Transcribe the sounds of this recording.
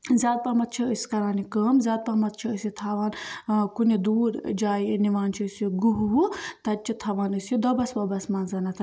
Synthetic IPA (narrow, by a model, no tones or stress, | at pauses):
zʲaːd̪̚pɐmɐt̪̚t͡ʃʰiəsʲi̥kɐɾaːnikəːmzʲjaːd̪̚pɐmɐt̪̚t͡ʃʰiəsit̪ʰaːʋaːnkunid̪uːɾd͡ʒaːjniʋaːnt͡ʃʰiːsjuɡuɦɦut̪ɐt͡ʃʰit̪ʰɐʋaːnɨsjud̪ɔbɐsbɐbɐsmaːnzɐnɐt̪ʰ